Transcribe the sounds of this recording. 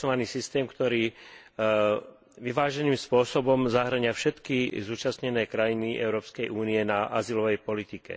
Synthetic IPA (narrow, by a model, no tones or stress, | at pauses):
ɔʋaniːsist̪ɛːmkt̪ɔɾiː | ʋiʋaːʒɛniːmspʊɔsɔbɔmzaɦr̩ɲɪafʃɛt̪kizuːt͡ʃast̪ɲɛnɛːkɾajiniʔɛ̰ʊɾɔːpskɛjʔuːniɛnaʔazilɔʋɛjpɔlit̪ikɛ̰